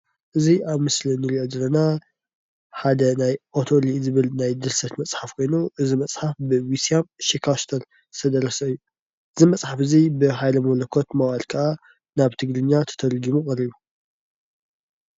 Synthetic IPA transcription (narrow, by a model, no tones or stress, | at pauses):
ʔɨziʔaβmɨslinɨliʔod̪ɨlːɐna | ħad̪ɐnajʔo̞t̪ʰolizɨβɨlnajd̪ɨɾsɐt̪mɐt͡sʼħafkʰo̞jnuʔɨzimɐt͡sʼħafbɨwisiamʃikʰaʃt̪ʰɐɾ | ɨt̪ʰɐd̪ɐɾɐsɐɨjːu | ʔɨzimɐt͡sʼħafɨzibɨɦajlɐmɐlɐkʰo̞t̪mɐwalkʰaʔa | naβt̪ʰɨɡlɨɲːat̪ʰɐ̥t̪ʰɐlɡimukʼɐɾiβu